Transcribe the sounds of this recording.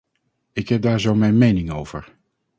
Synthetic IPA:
ɪkɦɛp̚daːɹzowmɛjnmejnɪŋowv̥ə̰ɹ

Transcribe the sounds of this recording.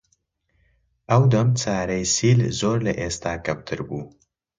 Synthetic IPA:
ʔɐwd̪ɐmt͡sʰaːɾɐjsiːlzoːɾlɐ̰ʔeːst̪ʰaːkʰɐmt̪ʰɨɾbuː

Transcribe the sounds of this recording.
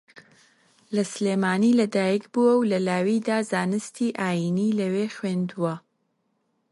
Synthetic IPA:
lɐsleːmaːniːlɐd̪aːjikbuwɐwlɐlaːwiːd̪aːzaːnɨst̪ʰiːʔaːjiniːlɐweːxweːnd̪uwɐ

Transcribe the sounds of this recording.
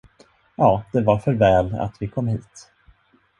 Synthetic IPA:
jɑːd̪̥ɛvaɾfœɾvɛːla̰t̪vɪkʰɔmːhiːt̪

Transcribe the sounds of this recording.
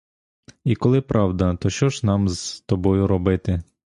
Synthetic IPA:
ikɔlˠɪpɾʔɑwd̪ɐt̪ɔʃt͡ʃɔʒnɑmzt̪ɔbɔjʊɾɔbɪt̪ɪ

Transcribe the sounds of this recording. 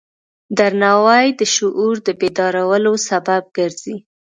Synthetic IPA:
d̪aɾnɑwɑjd̪əʃʊʔuɾd̪əbed̪ɑɾawəlosabab̚ɡəɾz̥i

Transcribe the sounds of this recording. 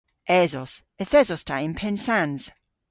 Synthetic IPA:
ʔɛzɔs | ɛθɛzɔstʰaɪ̃npʰɛnsanz̥

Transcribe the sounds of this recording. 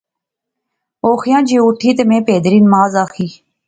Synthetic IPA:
oːxɪjãːd͡ʒeːʊʈʰiːt̪əmẽːpeːd̪əɾiːnəmaːzaːxiː

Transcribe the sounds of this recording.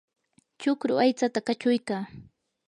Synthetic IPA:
t͡ʃʊkɾʊ̰ʔajt͡sat̪akat͡ʃʊjkaː

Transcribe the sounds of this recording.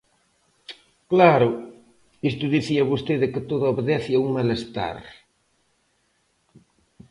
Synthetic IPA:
klaɾʊ | ist̪ʊðiθiɐβost̪eðɪkɪt̪oðʊoβeðɛθiauŋmalest̪a̰ɾ

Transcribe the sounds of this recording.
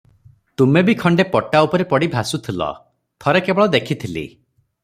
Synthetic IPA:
t̪umebikʰɔɳɖepɔʈaupɔɾepɔɽibʱasut̪ʰilɔ̰ | pʰɔɾekebɔɭɔd̪ekʰit̪ʰilḭ

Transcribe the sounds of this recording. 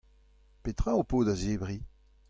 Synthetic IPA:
pet̪ʁãopoːd̪azeːbʁi

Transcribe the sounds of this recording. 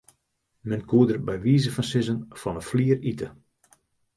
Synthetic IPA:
mɛnkuədərbɛjʋiːzəfɔnsɪzənfɔnəfliəritə

